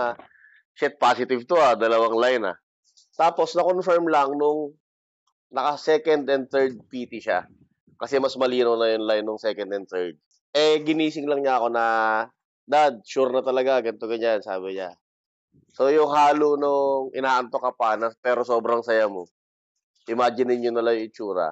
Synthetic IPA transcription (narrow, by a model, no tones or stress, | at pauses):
ʃɛt̪̚paːsɪt̪ɪvt̪oad̪ɐlɐwaŋlajna̰ | t̪aːpo̞snɐkonfɛɹmlɐŋnʊŋ | nɐkɐsɛːkɐnd̪ɛnd̪̚θɛɹd̪̚piːt̪ɪʃa̰ | kɐsɛmɐsmɐliːnɐwnɐjʊnlajnːʊŋsɛːkɐnd̪ɛn̚t̪ɛɹd̪̚ | ʔɛɡɪniːsɪŋlɐŋɲaɐko̞nɐ | d̪ad̪̚ʃuɾnɐt̪ɐlɐɡaɡɐnt̪oɡɐɲansa̰ːbɪɲa | so̞jʊŋhaːlʊnoŋʔɪ̰naːʔɐnt̪o̞kɐpanɐpɛːɾo̞so̞ːbɾɐŋsɐjamo̞ | ʔɪmaːd͡ʒɪnɪɲɲonɐlajʊɪt͡ʃuːɾɐ̰